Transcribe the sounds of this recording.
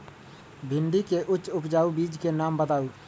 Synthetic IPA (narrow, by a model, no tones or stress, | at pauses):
bʱɪnɖ̪ikeʔʊtːt͡ʃːʃʊpd͡ʒaːubiːd͡ʒkenaːmbəd̪aːu